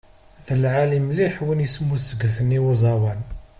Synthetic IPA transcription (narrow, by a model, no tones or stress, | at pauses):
ðəlʕalimliħwinjəsmːusəɡθəniwəzˤɑwæn